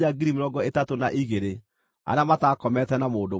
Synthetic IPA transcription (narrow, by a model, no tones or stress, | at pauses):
aɡiɾimeɾɔɡɔetatonaʔiɣeɾe | a̰ɾeamatakɔmɛtɛnamoːndo